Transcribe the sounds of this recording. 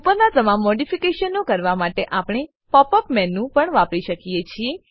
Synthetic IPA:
upəɾnad͡ʒəmamːɔɖifikeʃənːõkəɾʋamaʈeʔapɳ̃e | pɔpəpmɛnːũpəɳʋãpɽiʃəkijet͡ʃʰie

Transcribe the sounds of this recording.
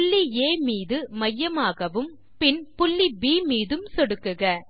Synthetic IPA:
ɭːieːmiːðɯmɐjːɐmaːɣɐʋɯm | pɪnpʊɭːibiːmiːðɯmsɔɽɯkːɯɣɐ

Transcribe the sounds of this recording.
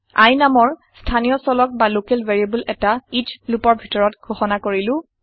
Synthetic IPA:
a̰jnamɔɹstʰanijɔsɔlɔk̚balokelveɹiabulɛtaid͡ʒlupɔɹbʱitɔɹɔtɡʱoxɔnakoɹilʊ̃

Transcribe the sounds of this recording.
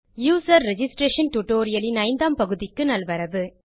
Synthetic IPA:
juːsɐɾːɛd͡ʒɪsʈɾeːʂɐnʈʊʈoːɾɪjɐlɪnɐɪnd̪aːmpɐɣɯðɪkːɯnɐlʋɐɾɐʋɯ

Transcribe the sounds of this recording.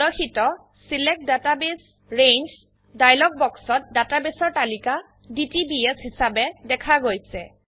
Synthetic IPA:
ɔxitɔ | silɛk̚databes | ɹend͡ʒ | dajlɔɡ̚bɔksɔt̚databesɔɹtalika | ditibiesɦisabɛdɛkʰaɡojsɛ

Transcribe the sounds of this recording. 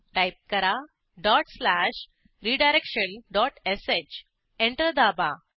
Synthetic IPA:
ʈajp̚kəɾa | ɖɔʈslæʃ | ɾiːɖajɾekɕənɖɔʈeset͡ɕ | ẽɳʈəɾd̪aba

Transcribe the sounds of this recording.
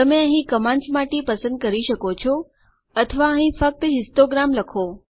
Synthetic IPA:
t̪əmẽəɦĩkəmãnsmaʈepəsə̃nd̪̚kəɾiʃəkot͡ʃʰo | ət̪ʰəʋaəɦĩfək̚t̪əɦɪsʈoɡɾamləkʰo

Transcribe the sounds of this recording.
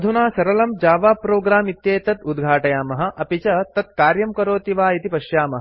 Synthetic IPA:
d̪ʱunaːsɐɾɐlɐmd͡ʒaːʋaːpɾoːɡɾaːmit̪jeːt̪ɐt̪ud̪ɡʱaːʈɐjaːmɐɦɐ̆ʔɐpit͡ʃɐt̪ɐt̪̚kaːɾjɐmkɐɾoːt̪iʋaːjit̪ipɐʃjaːmɐɦɐ

